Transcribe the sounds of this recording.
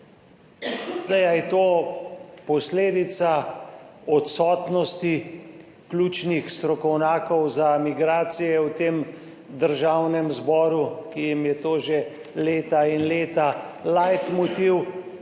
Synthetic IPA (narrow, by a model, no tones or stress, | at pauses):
zd̪ɛjajɛt̪oː | pɔsleːd̪it̪sa | ɔt̪sɔːt̪nɔst̪i | klʲuːt͡ʃnixst̪ɾɔkɔwnaːkɔwzamiɡɾaːt̪sijɛwt̪eːm | d̪əɾʒaːwnɛmzbɔːɾukijimjɛt̪oːʒe | leːt̪ainleːt̪alajt̪mut̪iw